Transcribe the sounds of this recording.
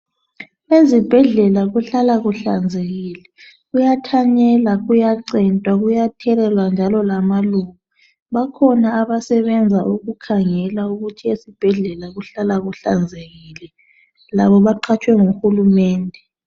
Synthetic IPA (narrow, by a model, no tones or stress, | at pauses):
ezib̥ʱɛɮɛlaɣuɬalaɣuɬand͡zʱeɣiːlɛ | ɣujatʰaɲɛlaɣujaǀɛntʼwaɣujatʰɛɾɛlwand͡ʒʱalɔlamaluɣa | βakʰɔnaːβasɛβɛnd͡zʱaʔuɣukʰaŋɛlauɣutʰiesib̥ʱɛɮɛlaɣuɬalaɣuɬa̰nd͡zʱeɣiːlɛ | laβɔβaǃʰat͡ʃʼwɛŋuxulumɛːndʱɛ